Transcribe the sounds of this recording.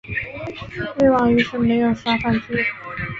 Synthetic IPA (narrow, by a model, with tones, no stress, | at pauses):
we˥˩ɪwɑ˥˩ŋy˧˥ʂɻ̩˥˩me˧˥ɪjo˨˩ʊʂwa˥fa˥˩nʈ͡ʂi˥˨